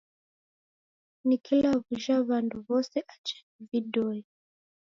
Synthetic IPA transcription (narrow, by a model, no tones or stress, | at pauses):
nikʰilaβuʃaβanduβɔsɛʔat͡ʃɛ̥ividɔɔ